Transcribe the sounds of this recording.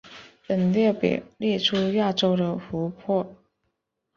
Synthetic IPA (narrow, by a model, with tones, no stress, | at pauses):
pə˨˩nljɛ˥˩pḛ˨˩ljɛ˥˩ʈ͡ʂʰu˥ja˥˩ʈ͡ʂo˥ʊd̪ə˨fu˧˥pʰwɔ˥˩